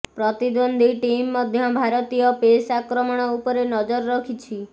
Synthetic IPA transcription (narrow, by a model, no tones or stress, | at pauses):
pɾɔt̪id̪ɔnd̪ʱiʈimːɔd̪ʱjɔbʱaɾɔt̪ijɔpesakɾɔmɔɽ̃ɔupɔɾenɔd͡ʒɔɾːɔkʰit͡ʃʰi